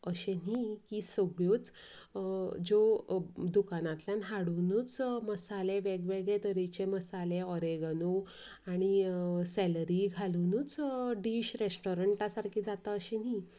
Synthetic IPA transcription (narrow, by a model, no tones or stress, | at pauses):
əɕenikisəɡɭot͡s | d͡ʑod̪ukanãt̪ljanɦaɽunut͡sməsalẽʋɛɡʋɛɡet̪əɾit͡ɕeməsaleɔɾeɡəno | aɽ̃isɛləɾiɡʱalunut͡sɖiɕɾesʈɔɾəɳʈasaɾkʰiːd͡zat̪aəɕeni